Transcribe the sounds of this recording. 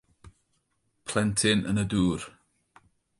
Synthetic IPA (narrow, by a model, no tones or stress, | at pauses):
pʰl̥ɛntʰɪnə̰nəduːr